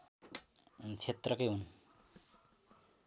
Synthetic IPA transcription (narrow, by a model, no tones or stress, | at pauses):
t͡sʰet̪rʌkʌjɦun